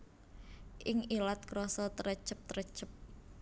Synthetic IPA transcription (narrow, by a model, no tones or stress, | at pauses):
ʔɪŋilat̪̚kɾɔsɔt̪əɾət͡ʃəp̚t̪əɾət͡ʃəp̚